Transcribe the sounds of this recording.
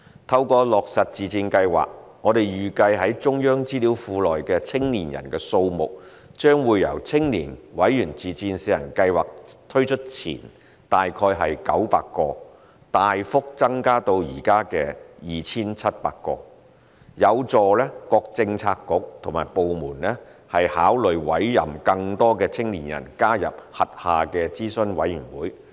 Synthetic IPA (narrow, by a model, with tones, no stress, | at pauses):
t̪ʰɐ˧wkɔː˧lɔː˨˩k̚sɐ˨t̚t͡siː˨t͡siː˧nkɐ˧jwa̰ː˨k̚ŋɔː˨˧d̪e˨jjyː˨kɐ˧jɦɐ˨˥jt͡ʃʊ˥ŋjœː˥ŋt͡siː˥liː˨˥wfuː˧lɔː˨˩jkɛː˧t͡sʰɪ˥ŋniː˨˩njɐ̰˨˩nkɛː˧so˧wmʊ̰˨k̚ | t͡ʃœː˥ŋwuː˨˧jːɐ̰˨˩wt͡sʰɪ˥ŋniː˨˩nwɐ˨˥jːyː˨˩nt͡siː˨t͡siː˧nsiː˨˧jɐ̰˨˩nkɐ˧jwa̰ː˨k̚t̪ʰɵ˥ɥt͡ʃʰɵ˥t̚t͡sʰḭː˨˩n | t̪aː˨jkʰɔː˧jɦɐ˨jkɐ̰˨˥wpa̰ː˧kːɔː˧ | t̪aː˨jfʊ˥k̚t͡sɐ˥ŋkaː˥t̪o˧wjiː˨˩kaː˥kɛː˧jiː˨t͡sʰiː˥nt͡sʰɐ˥t̚pa̰ː˧kːɔ̰ː˧ | jɐ˨˧wt͡sɔː˨˧lɛː˥kɔː˧k̚t͡sɪ˧ŋt͡sʰaː˧kːʊ˨˥k̚t̪ʰʊ˨˩ŋmaː˨˩jpo˨wmuː˨˩nlɛ˥hɐ˨jhaː˨˥wlɵ˨ɥwɐ˨˥jːɐ̰˨mkɐ˧ŋt̪ɔː˥kɛː˧t͡sʰɪ˥ŋliː˨˩njɐ̰˨˩nkaː˥jɐ̰˨p̚hɐ˨t̚haː˨kɛː˧t͡siː˥sɵ˧nwɐ˨˥jyː˨˩nwuː˨˥j